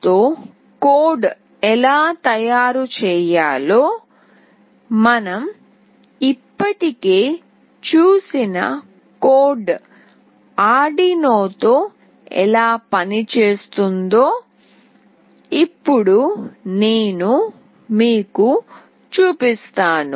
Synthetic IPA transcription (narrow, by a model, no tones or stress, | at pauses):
t̪oː | koːɖ | ɛlaːt̪ɐjaːɾut͡ʃɛːjaːlo̞ː | mɐnɐm | ipːɐʈike̞ː | t͡ʃuːsinɐ̰ | koːɖ | aːɖinoːt̪o̞ː | ɛ̰laːpɐnit͡ʃe̞ːst̪und̪oː | ipːuɽuneːnu | miːku | t͡ʃuːpist̪aːnu